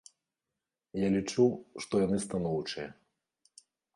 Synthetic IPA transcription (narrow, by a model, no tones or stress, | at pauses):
jalʲit͡ʂuwʂt̪ɔjanɨst̪anɔwt͡ʂɨjɐ